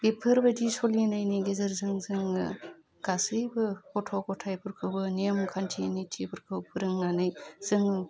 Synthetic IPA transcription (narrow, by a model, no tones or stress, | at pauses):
bipʰɯɾbadisolinajnijɡezɐɾzɯŋzɯŋɯ | ɡ̥asɯjbɯkɔtʰɔkɔtʰajpʰɯɾkʰɯwbɯnimkʰantʰinijtʰipʰɯɾkʰɯwpʰɯɾɯŋnanɯjz̥ɯŋ